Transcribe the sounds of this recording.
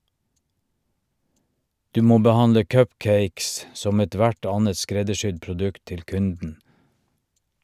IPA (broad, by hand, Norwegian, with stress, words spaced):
ˈdʉː ˈmoː bəˈhɑndə ˈkœpˌkeɪks ˈsɔm ɛˈtʋæʈ ˈɑːnət ˈskɾɛdəˌʃʏd pɾʊˈdʉkt ˈtɪl ˈkʉndn̩